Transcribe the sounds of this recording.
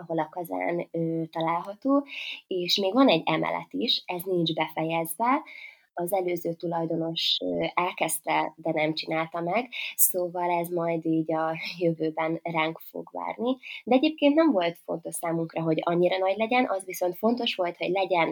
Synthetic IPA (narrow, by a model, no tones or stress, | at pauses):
ɒɦo̞lɒkɒza̰ːnøːt̪ɒlaːlɦɒt̪oːeːʃmeːɡvɒnɛɟːɛmɛ̰lɛ̰t̪iʃɛzniɲd͡ʒbɛfɛjɛzʋɛ | ɒzɛløːzøːt̪ulɒjd̪o̞no̞ʃɛlkɛst̪ɛd̪ɛnɛmt͡ʃinaːlt̪ɒmɛɡsoːvɒlɛzmɒjd̪iːɟɒjøvøːbɛnraːŋkfo̰ɡʋa̰ːrnid̪ɛɛɟeːp̚keːnnɛɱvo̞lt̪fo̞̰n̪t̪o̞ʃsaːmuŋkrɒɦo̞ɟɒɲːiɾɒnɒɟlɛɟɛnʔɒzʋiso̞nt̪fo̞nt̪o̞ʃʋo̞lt̪ho̞ɟlɛɟɛn